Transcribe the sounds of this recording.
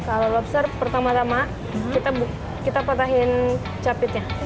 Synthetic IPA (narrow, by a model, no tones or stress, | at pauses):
kalalapsərpərt̪amat̪ama | kit̪abu | kit̪apat̪̬aɦɪn | t͡ʃapɪt̪̚ɲa